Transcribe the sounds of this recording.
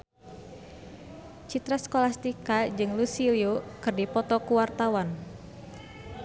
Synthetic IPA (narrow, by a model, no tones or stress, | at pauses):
t͡ʃit̪ɾaskɔlast̪ikad͡ʒɨŋlusiliokɨrdipɔt̪ɔkuwart̪awan